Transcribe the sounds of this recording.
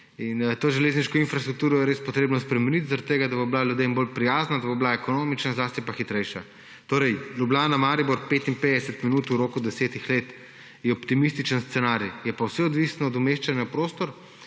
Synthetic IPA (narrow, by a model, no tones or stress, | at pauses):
int̪oːʒɛleːzniʃkɔinfɾast̪ɾuk̚t̪uːɾɔjɛɾeːspɔt̪ɾeːbnɔspɾɛmɛnit̪zaɾɐt̪t̪ːeːɡad̪aboblalʲjud̪embolpɾijaːznad̪ɐboblaɛkonoːmit͡ʃnazʋaːst̪ipaxit̪ɾɛjʃa | t̪oːɾɛjlʲublʲaːnamaːɾibɔɾpeːt̪impeːd̪ɛsət̪minuːt̪uɾoːkud̪ɛseːt̪ixleːt̪ | jɛɔpt̪imist̪it͡ʃənst̪sɛnaɾjjɛpawsɛɔd̪ʋisnɔːd̪umeːʃt͡ʃanjapɾoːst̪ɔɾ